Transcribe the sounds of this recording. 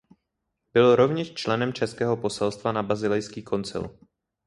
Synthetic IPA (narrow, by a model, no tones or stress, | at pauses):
b̥ɪlɾo̞vɲɛʃt͡ʃlɛnɛmt͡ʃɛskɛːɦo̞po̞sɛlst̪vanabazɪlɛjskiːkʰo̞nt͡sɪ̰l